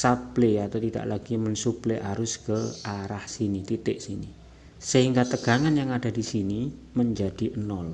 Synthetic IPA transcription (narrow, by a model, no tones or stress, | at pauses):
sapleat̪awt̪ida̰ʔlaɡ̥imənsupleʔaɾʊskəaɾahsinit̪it̪ɪʔsini | səɦiŋɡat̪əɡ̥a̤ŋanjaŋad̥a̤disini | məɲd͡ʒad̥i̤ʔənɔl